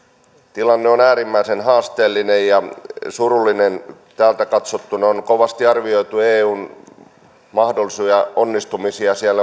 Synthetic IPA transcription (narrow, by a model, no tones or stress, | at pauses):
t̪ilɑnːeonæːɾimːæisenɦɑːst̪eːlːinejjɑsurulːinen | t̪æːlt̪ækɑt̪sot̪ːunɑonkoʋɑst̪iɑrʋio̞it̪ueːuːn | mɑhdolːisujɑonːist̪umisiɑsielːæ